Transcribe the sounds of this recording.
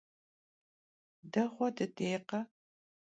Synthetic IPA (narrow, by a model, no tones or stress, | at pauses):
dɐʁʷɔdɨdeːqɐ